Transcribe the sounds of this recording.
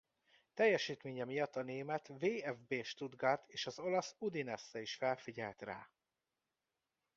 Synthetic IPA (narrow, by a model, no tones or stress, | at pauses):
t̪ɛjːɛʃiːt̪meːɲɛmijɒt̪ːɒneːmɛt̪veːɛvbeːʃt̪ud̪ɡaːt̪ʰeːʃɒzo̞lɒsud̪inɛsːɛiʃfɛlfiɟɛlt̪ra̰ː